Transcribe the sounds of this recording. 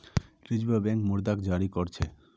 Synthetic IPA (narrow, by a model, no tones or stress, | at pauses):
ɾid͡ʑbabɛŋkmuɾd̪akd͡ʑaɾikoɾt͡ɕʰe